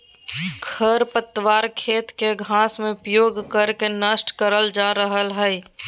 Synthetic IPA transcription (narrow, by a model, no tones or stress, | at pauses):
kʰəɾpət̪ːəwaːɾkʰeːt̪keɡʱãːsmẽʊpjoːɡkəɾkenəsʈkəɾəld͡ʒaːɾəɦəlɦɛː